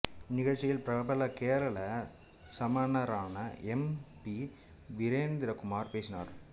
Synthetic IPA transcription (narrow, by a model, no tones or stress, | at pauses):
nɪɣɐɻt͡ʃːɪjɪlpɾɐbɐlɐkeːɾɐɭɐ | sɐmɐnɐɾaːnɐɛmpi | ʋɪɾeːnd̪ɪɾɐkʊmaːɾpeːsɪna̰ːɾ